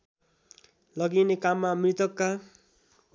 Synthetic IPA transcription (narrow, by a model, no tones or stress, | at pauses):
lʌɡinekamːamrit̪ʌkːa